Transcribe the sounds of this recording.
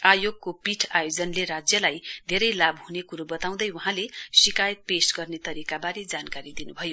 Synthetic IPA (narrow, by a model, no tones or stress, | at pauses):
ajoɡ̚kopiʈʰajod͡zʌnleɾad͡zjʌlajd̪ʱeɾʌjlabɦunekuɾubʌt̪aw̃d̪ʌjwuɦãlesikajʌt̪̚pesɡʌrnet̪ʌɾikabaɾed͡zankaɾid̪inubʱʌjo